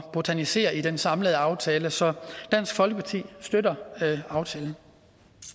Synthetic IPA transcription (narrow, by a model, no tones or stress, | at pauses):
b̥ot͡sʰænise̝̰ːɐid̥ensɑ̈mləðˠɑ̈ʊt͡sʰɛːləsɒ̽d̥æn̰sɡ̥fɒ̽lɡ̥əpʰɑ̈t͡sʰḭːsd̥øɾɐɑ̈ʊt͡sʰɛːln̩